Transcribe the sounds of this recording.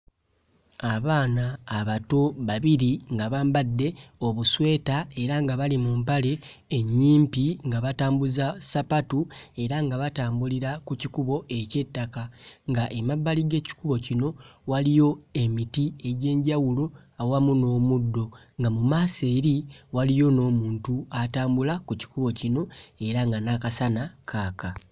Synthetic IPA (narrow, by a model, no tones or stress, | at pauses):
aβaːnaːβato̞βaβiɾiŋɡaβaːmbadːe̞o̞βuswe̞ːtae̞ɾaŋɡaβalimumpale̞ːɲːiːmpiŋɡaβataːmbuzasapatue̞ɾaŋɡaβataːmbuliɾakucikuβo̞ʔe̞ce̞tːakaŋɡaʔemaβːaliɡe̞ːci̥kuβo̞cino̞walijo̞e̞mitie̞ɟe̞ːɲɟawulo̞ | awamuno̞ːmudːo̞ŋɡamumaːse̞ːɾiwalijo̞no̞ːmuːntuataːmbulakuci̥kuβo̞cino̞e̞ɾaŋɡanakasanakʰaːka